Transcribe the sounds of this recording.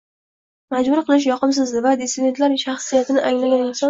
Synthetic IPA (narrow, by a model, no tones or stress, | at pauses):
mad͡ʒbʊɾqʰɨlˠɪʃ̬jɒqʰɨms̬ɪzlɪvad̪esɪd̪e̞nt̪laɾʃaχsijat̪ʰɪnɪʔaŋlaɡʲanɪnsɒ